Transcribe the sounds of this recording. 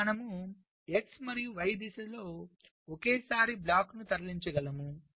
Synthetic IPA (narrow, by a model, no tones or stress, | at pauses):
nɐmu | eksmɐɾijuʋɐjd̪isɐlo̞ː | okeːsaːɾiblaːknut̪ɐɾliɲt͡ʃɐɡɐlɐmu